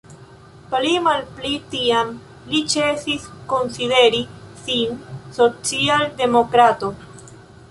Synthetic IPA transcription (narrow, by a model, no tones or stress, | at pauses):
plimalplitiam | lit͡ʃesisko̞nside̞ɾisinso̞t͡sialde̞mo̞kɾato̞